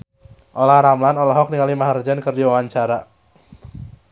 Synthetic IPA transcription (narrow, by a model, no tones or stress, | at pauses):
ʔolahɾamlanolɔɦɔk̚niŋalimaɦard͡ʒankərdiwawaɲt͡ʃaɾa